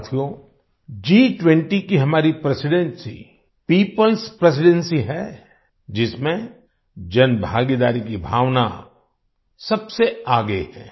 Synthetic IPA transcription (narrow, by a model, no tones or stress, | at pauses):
t̪ʰijo | d͡ʒiːʈwɛ̃ɳʈikiɦɐmaːɾipɾesɪɖɛ̃nsḭ | piːpəlspɾes̬ɪɖɛ̃nsiɦɛ | d͡ʒɪsmẽ | d͡ʒɐnbʱaːɡid̪aːɾikibʱaːʋna̰ | sɐbseaːɡəeɦɛ̰̃ː